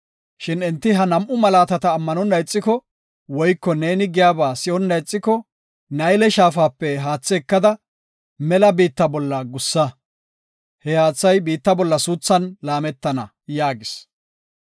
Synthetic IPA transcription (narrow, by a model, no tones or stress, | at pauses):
ʃɪnɪnt̪ːɪɦɐnɐmʔʊmɐlaːt̪ɐt̪ɐːmːɐnɔnːɐjt͡sʼːɪkɔ | wɔjkːɔneːnɪɡɪjaːbaːsɪɔnːɐjt͡sʼːɪkɔ | nɐjlɛʃaːfaːpːɛɦaːt͡sːɛːkːɐd̪ɐ | mɛlɐbiːt̪ːɐbɔlːɐɡʊsːɐ | hɛhaːt͡sːɐjbiːt̪ːɐbɔlːɐsuːt͡sːɐnlaːmɛt̪ːɐnɐ | jaːɡɪs